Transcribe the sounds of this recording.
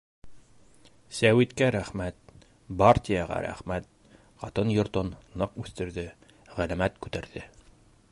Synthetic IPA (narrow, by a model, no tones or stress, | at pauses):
sæwit̪kæɾæχmæt̪̚ | baɾt̪ʲijɑʁɑ̰ɾæ̰χmæt̪̚ | qɑt̪ɤnjŏɾt̪onːɤqʉθt̪ɘ̆ɾðɘ | ʁælæmæt̪kʉt̪æɾðɘ